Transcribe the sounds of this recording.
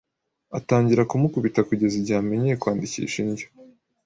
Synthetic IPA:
ataːɲɟiɾakumukuβitakuɟe̞ziɟaːme̞ɲejekwaːndicḭːʃinɟo̥

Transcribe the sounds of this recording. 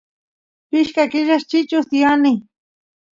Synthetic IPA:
pɪʃkakɪʒaʃt͡ʃɪt͡ʃʊsjanɪ

